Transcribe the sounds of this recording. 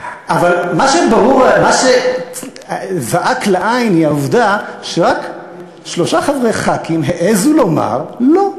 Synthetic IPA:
ʔavalmaʃebaʁuʁamaʃe | zaʔakleʔajnhiauvdaʃeʁak | ʃlo̞ʃaχavʁeχakimɦeʔezulo̞ma̰ʁlo

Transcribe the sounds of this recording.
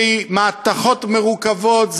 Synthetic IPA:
jmaːt̪aχot̪meʁukavot̪z

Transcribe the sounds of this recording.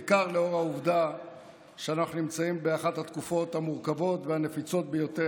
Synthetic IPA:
kaʁleo̞ʁauvd̪a | ʃeanaχunimt͡saimbeaχathat̪kufo̞thamuʁkavo̞tveane̞fit͡so̞t̪̚bejo̞t̪e

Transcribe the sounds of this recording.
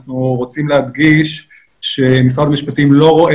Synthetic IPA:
χnuʁot͡simlehad̪ɡiʃ | ʃemisʁad̪amiʃpat̪imlo̞ʁo̞ʔe

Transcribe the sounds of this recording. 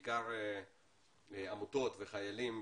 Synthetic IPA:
kaɾe | amut̪o̞t̪veχajalim

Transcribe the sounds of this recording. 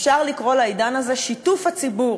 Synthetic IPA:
fʃaʁlikʁo̞laid̪anaze̞ʃitufhat͡sibuʁ

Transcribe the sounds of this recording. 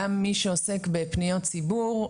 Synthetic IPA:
amːiʃeose̞kbepnijott͡sibuʁ

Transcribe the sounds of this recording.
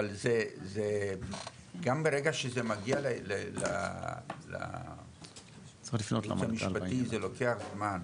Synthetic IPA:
alzeze | ɡambeʁeɡaʃezemaɡialelela̰ | la̰ | t͡siχlifnota̰mamiʃpat̪izelokeaχzman

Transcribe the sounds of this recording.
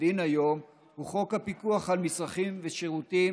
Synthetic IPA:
inajo̞m | huχo̞khapikuaχhalmisʁaχimveʃeʁuti

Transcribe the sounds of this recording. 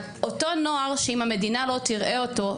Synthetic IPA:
oto̞no̞aʁʃeimame̞dinalo̞t̪iʁʔe̞o̞to̞

